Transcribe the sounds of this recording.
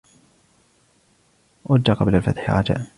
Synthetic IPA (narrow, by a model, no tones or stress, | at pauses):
ʔʊd͡ʒːaqɑblalfat̪ħɾˤɑd͡ʒa̰ːʔ